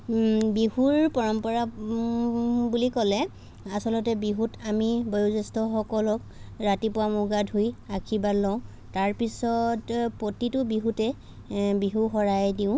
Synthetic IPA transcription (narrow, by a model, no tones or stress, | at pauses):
biɦuɹpɔɹɔmpɔɹa | bulikɔlɛ | asɔlɔtɛbiɦutamibɔjuzɛstɔxɔkɔlɔk | ɹatipʊamuɡadʱojakʰibalːɔʊ̃ | taɹpisɔtpotitʊbiɦutɛ | biɦuxɔɹajdiʊ̃